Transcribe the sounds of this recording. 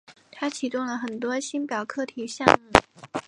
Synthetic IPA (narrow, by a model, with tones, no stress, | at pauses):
t̪ʰa˥t͡ɕʰi˨˩t̪ʊ˥˩ŋlə˨˩xə˨˩nt̪wɔ˥ɕi˥npjɑ˨˩ʊkʰɤ˥t̪ʰi˨˩˦ɕjɑ˥˧ŋ̩˥˩